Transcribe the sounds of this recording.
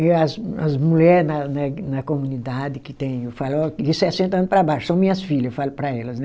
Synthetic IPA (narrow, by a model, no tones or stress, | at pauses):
ɛɐzɐzmulʎɛɾnɐnɛnɐkomũnid̪ad̪ɪkɪt̪ẽj̃ewfalɔkisɛsẽnt̪ɐɐ̃nʊpɾɐbajʃʊsɐ̃w̃mĩɲɐsfiʎɐsfalʊpɾɐɛlɐsnɛ